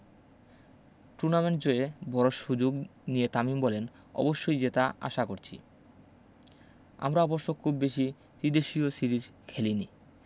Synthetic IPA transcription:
ʈuɾnameɳʈ̚d͡ʑoebɔɾoʃud͡ʑoɡnijet̪amimbɔlen | ɔ̰boʃːojd͡ʑet̪aʔa̰ʃakoɾt͡ɕʰḭ | a̰mɾaɔboɾʃːokʰubbeʃi | t̪id̪eʃiosiɾid͡ʑkʰelini

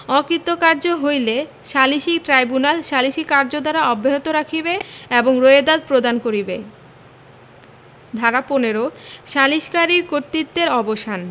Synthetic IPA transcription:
ɔkɾit̪ːokaɾd͡ʑoɦojle | ʃaliʃiʈɾajbunalʃaliʃikaɾd͡ʑod̪aɾaɔbːeɦot̪oɾakʰibeeboŋɾoed̪ad̪̚pɾod̪ankoɾibe | d̪ʱaɾaponeɾoʃaliʃkaɾiɾkoɾt̪it̪ːeɾɔboʃan

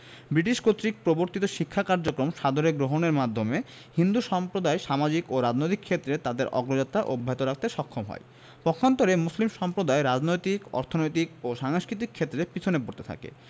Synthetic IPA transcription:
bɾiʈiʃkot̪ːɾik̚pɾoboɾt̪it̪oʃikʰːakaɾd͡ʑokɾomʃad̪oɾeɡɾoɦoneɾmad̪ʱːome | hind̪uʃɔmpɾod̪aeʃamad͡ʑikoɾad͡ʑnojt̪ikʰːet̪ːɾet̪ad̪eɾʔɔ̰ɡɾod͡ʑat̪ːɾaʔobʱːaɦit̪oɾak̚ʰt̪eʃɔkʰːomɦɔ̰e | pɔkʰːant̪oɾemuslimʃɔmpɾod̪aeɾad͡ʑnojt̪ikɔ̰ɾt̪ʰonojt̪ikoʃaŋskɾit̪̬ikʰːet̪ːɾepit͡ɕʰonepoɾt̪et̪ʰa̰kḛ

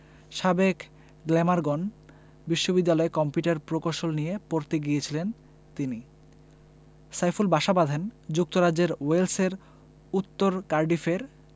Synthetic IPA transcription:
ʃabek | ɡlɛmaɾɡɔn | biʃːobid̪ːalɔekɔmpjuʈaɾpɾokoʃolnijepoɾt̪iɡijet͡ɕʰilen | t̪ini | sajfulbaʃabad̪ʱend͡ʑuk̚t̪oɾad͡ʑeɾwelseɾ | ut̪ːoɾkaɾɖifeɾ

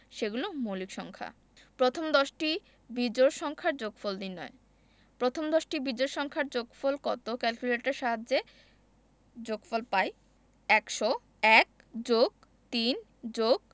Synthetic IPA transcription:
ʃeɡulomolikʃɔŋkʰa̰ | pɾot̪ʰomd̪ɔʃʈi | bid͡ʑoɾʃɔŋkʰaɾd͡ʑoɡfold̪inːɔe | pɾot̪ʰomd̪ɔʃʈibid͡ʑoɾʃɔŋkʰaɾd͡ʑoɡfolkɔt̪okɛlkuleʈeɾʃaɦad͡ʑːe | d͡ʑoɡfɔlpaj | ɛkʃo | ɛk̚ | d͡ʑoɡ̚ | t̪in | d͡ʑoɡ̚

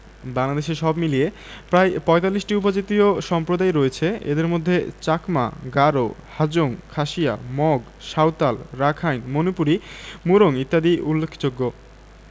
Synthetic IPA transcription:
baŋlad̪eʃeʃɔbmilie | pɾaepɔet̪alːiʃʈiup̬od͡ʑit̪ioʃɔmpɾod̪aeɾoet͡ɕʰeḛd̪eɾmod̪ʱːḛt͡ɕakma̰ɡaɾohad͡ʑoŋkʰaʃija̰mɔɡ | ʃawt̪alɾakʰajnmonupuɾimuɾoŋit̪ːad̪iulːekʰːd͡ʑoɡːo

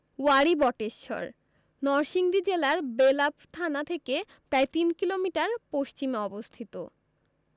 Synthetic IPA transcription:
waɾibɔʈeʃːɔ̰ɾ | nɔɾʃiŋd̪id͡ʑelaɾbelapt̪ʰanat̪ʰeke | pɾaet̪inkilomiʈaɾpoʃt͡ɕimeɔbost̪ʰit̪o

